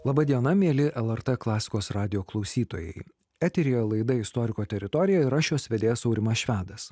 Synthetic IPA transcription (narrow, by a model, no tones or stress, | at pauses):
lˠɐbɐd̪ʲiɛnɐmʲeːlʲɪʔɛlˠɛɾt̪ɛklˠɑːsʲɪ̥koːsɾɑːd̪ʲɪjoːklˠɒʊsʲiːt̪oːjɛ̰ɪ | æːt̪ʲɪɾʲijɛlˠɐɪd̪ɐɪst̪ɔːɾʲɪkoːt̪ʲɛɾʲɪt̪ɔːɾʲɪjɛɪɾɑʃʲoːsʋʲɛd̪ʲeːjɛsɒʊɾʲɪmɐsʃʲʋʲæːd̪ɐs